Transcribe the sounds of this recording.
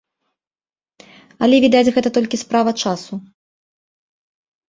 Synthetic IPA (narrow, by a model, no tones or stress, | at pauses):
ɐlʲɛvʲid̪ad͡zʲɣɛt̪ɐt̪ɔlʲkʲispɾavɐt͡ʂasu